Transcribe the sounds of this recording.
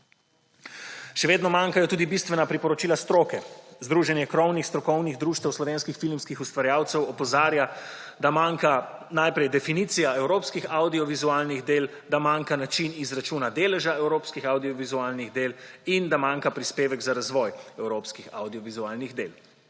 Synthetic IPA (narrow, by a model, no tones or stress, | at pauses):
ʃɛʋeːd̪nɔmaːŋkajɔt̪uːd̪ibist̪ʋɛnapɾipɔɾɔt͡ʃiːlast̪ɾoːkɛzd̪ɾuːʒɛnjɛkɾɔwnixst̪ɾɔkɔwniɣd̪ɾuːʃt̪ɛwslɔʋeːnskixfilmskixust̪ʋaɾjaːwt̪sɛwɔpɔzaːɾjad̪amaːŋkanajpɾɛjd̪ɛfinit̪sijaɛwɾoːpskixawd̪iɔʋizualniɣd̪eːl | d̪amaːŋkanat͡ʃinizɾat͡ʃuːnad̪eːlɛʒaɛwɾoːpskixawd̪iɔʋizuaːlniɣd̪eːlind̪amaːŋkapɾispeːʋɛɡzaɾazʋɔːjɛwɾoːpskixa̰wd̪iɔʋizuaːlniɣd̪eːl